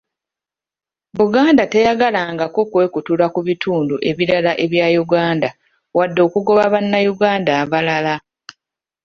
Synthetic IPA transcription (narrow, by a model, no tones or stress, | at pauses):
βuɡaːndate̞jaɡalaːŋɡakokwe̞ːkutulakuβitʰuːnduʔe̞βiɾalaʔe̞βjajuɡaːnda | wadːo̞ːkuɡo̞βaβanːajuɡaːndaːβalala